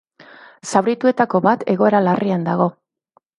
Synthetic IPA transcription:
sawɾit̪ue̞t̪ako̞βat̪ʰe̞ɣo̞e̞ɾalariand̪aɣ̞o̞

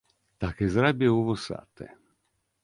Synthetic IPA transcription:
t̪akezɾabjeuvosa̰t̪ːḛ

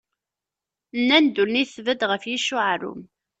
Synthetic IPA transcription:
nːænd̪ulniθvəd̪ʁəfjiʃʊʕɾʊ̰m

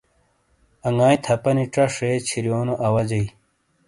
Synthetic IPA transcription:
ɐŋaːjt̪ʰɐpɐniʈ͡ʂɐʂet͡ɕʰiɾjoːnoʔɐwɐd͡ʑɐi

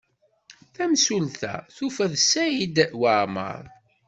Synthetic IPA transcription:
θæmsulθæ̰θufəðsæjid̪wəɾmə̰ɾˤ

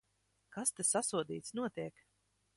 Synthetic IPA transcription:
kast̪asasuɔd̪iːt̪snuɔt̪iɛk

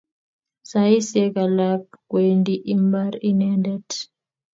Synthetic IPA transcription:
saisɛkalapkwendiʔimbaɾinɛndɛt

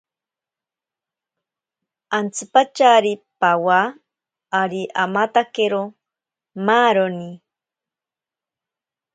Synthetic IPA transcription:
ant͡sɨpat͡ʃaɾipawaː | ɾiʔamat̪akeɾo | maːɾoni

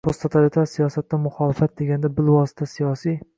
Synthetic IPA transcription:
pʰost̪ʰot̪ʰalit̪ʰaɾsijɒsat̪ːamʊχɒlɪfat̪̚d̪eɡʲand̪abɪlwɒsɪ̥t̪ʰasijɒsi

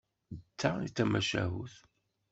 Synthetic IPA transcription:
t͡s̪ːaḭt͡sːæmæʃæ̰ɦuθ

